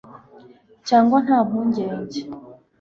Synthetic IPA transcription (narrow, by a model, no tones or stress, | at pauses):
caːŋɡwan̥haːmuɲɟeːɲɟe